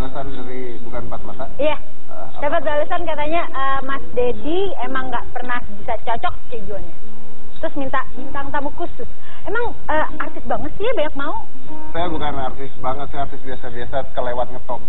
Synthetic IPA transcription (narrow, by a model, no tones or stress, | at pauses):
balasandaɾi | bukanbat̪̚mat̪aja | adapət̪̚baləsankat̪aɲaʔə | masdedi | emaŋɡaʔpərnahbisat͡ʃɔt͡ʃɔk̚ked͡ʒuanɲa | t̪ɾʊsmint̪aʔmint̪aŋnt̪amukusʊs | emaŋ | ə | art̪ɪst̪̚baŋət̪sijabaɲak̚mau | sajabukanart̪ɪst̪̚baŋət̪sart̪ɪst̪̚biasabiasakəlewat̪̚ɲət̪ɔp̚